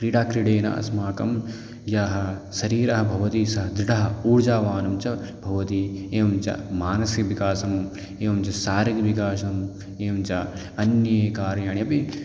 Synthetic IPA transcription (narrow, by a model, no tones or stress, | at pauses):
kɾiɽaːkɾiɽeːnɐ̰ʔɐ̰smaːkɐ̰m | jaːɦɐ̆sɐɾiːɾɐɦɐ̆bʱɐʋɐt̪iːsɐɦɐd̪ɾiʈɐɦɐuːɽd͡ʒaːʋaːnɐmt͡ʃɐbʱɐʋɐt̪iːeːʋɐmt͡ʃɐ̰maːnɐsikʋikaːsɐm | eːʋɐmt͡ʃɐsaːɾikʋikaːʃɐm | eːɐmt͡ʃɐ | ɐnjɐːkaːɾjaːɳjɐpi